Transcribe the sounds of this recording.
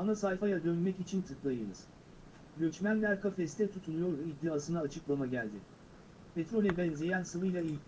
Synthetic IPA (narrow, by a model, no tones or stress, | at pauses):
anasajfajad̪ønmɛcit͡ʃʰint̪ʰɯklˠajɯnɯz̥ | ɟøt͡ʃmænlʲæɾkʰafɛst̪ʰɛt̪ʰut̪ʰunujo̞ɾd̪uid̪ːiaːsɯnaːt͡ʃʰɯ̥klˠamaɟælʲd̪ɪ̰ | pʰet̪ɾo̞lʲɛbɛnze̞jænsɯvɯjlˠailʲ